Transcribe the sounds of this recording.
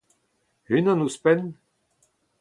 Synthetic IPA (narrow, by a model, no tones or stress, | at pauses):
hynãnuspɛn